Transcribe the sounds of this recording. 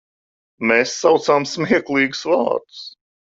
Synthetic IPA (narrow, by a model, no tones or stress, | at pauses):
mɛsːawt̪samsmiɛklˠiːɡsvɑ̰ːt̪s